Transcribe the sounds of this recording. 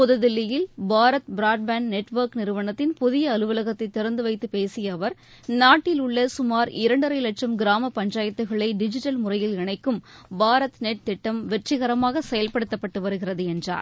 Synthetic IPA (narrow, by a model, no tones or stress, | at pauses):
pɔðɐðɪlːɪjɪlbaːɾɐt̪bɪɾaːʈ̚baːnnɛʈːʋɐɾknɪɾɯʋɐɳɐt̪ːɪnpʊðɪjɐːlɯʋɐlɐɣɐt̪ːɐɪt̪ːɪɾɐnd̪ɯʋɐɪt̪ːɯpeːsɪjɐːʋɐɾ | naːʈːɪlʊɭːɐsʊmaːɾɪɾɐɳɖɐɾɐɪlɐʈʂɐmɡɪɾaːmɐpɐɲd͡ʒaːjɐt̪ːɯɣɐɭɐɪɖɪd͡ʒɪʈːɐlmʊrɐjɪlɪɳɐɪkːɯmbaːɾɐt̪neʈ̚t̪ːɪʈːɐmʋɛʈrɪɣɐɾɐmaːɣɐsɛjɐlpɐɽɯt̪ːɐpːɐʈːɯʋɐɾɯɣɪrɐðɯɛndra̰ːɾ